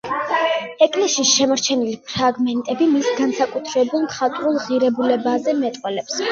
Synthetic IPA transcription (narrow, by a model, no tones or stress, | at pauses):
ɛkʼlɛsisʃɛmaɾt͡ʃʰɛnilipʰɾaɡmɛnt̪ʼɛbimisɡansakʼut̪ʰɾɛbulˠmχat̪ʼɾulˠʁiɾɛbulɛbazɛmɛt̪ʼqʼwɛlɛps